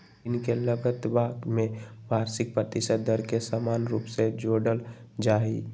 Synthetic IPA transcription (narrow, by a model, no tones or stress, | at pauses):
ɪnkeləɡət̪baɡmeʋaɾsɪk̚pɾət̪isəd̪əɾkesəmanɾupsed͡ʒoɽəld͡ʒai